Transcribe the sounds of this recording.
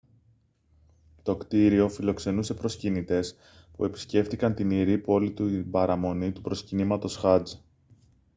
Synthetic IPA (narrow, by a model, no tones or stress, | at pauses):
t̪o̞kt̪iɾio̞filo̞kse̞nuse̞pɾo̞scinit̪e̞s | pue̞pi̥sce̞ft̪ikɐnt̪iniɾipo̞lit̪umbɐɾɐmo̞nit̪upɾo̞scinimɐt̪o̞sxɐd͡z